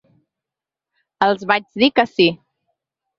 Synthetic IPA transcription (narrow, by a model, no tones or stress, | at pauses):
əlˠzβad͡ʒðikəsi